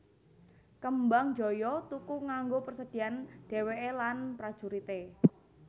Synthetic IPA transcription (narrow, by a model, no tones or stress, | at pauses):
kəmbaŋ̥d͡ʒɔ̤jɔt̪ukuŋaŋɡopərsəd̥i̤anɖ̥e̤weʔelanpɾad̥ʒ̥uɾit̪e